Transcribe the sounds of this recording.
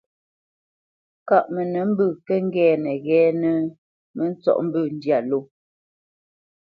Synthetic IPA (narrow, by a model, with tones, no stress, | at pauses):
ka˨ʔmɛ˨nɛ˨m̩˦bʉ˦˨kɛ˦ŋ̩˦ɡɛː˦nɛ˨ɣɛː˦nɛ˨ | mɛ˦n̩˦t͡sɔ̰˦˨ʔm̩˦bʉ˦˨n̩˦dja˦˨lo˦˨